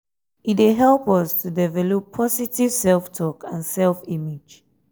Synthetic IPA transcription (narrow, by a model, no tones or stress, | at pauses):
itweɦɛlˠpɔstʰudɛvɛlɔpʰːɔsitiv̥sɛlˠftʰɔkãnsɛlfimid͡ʒ